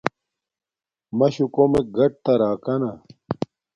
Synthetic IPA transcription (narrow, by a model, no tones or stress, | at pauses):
mɐɕukomeɡɐʈ̚t̪ɐɾaːkɐnɐ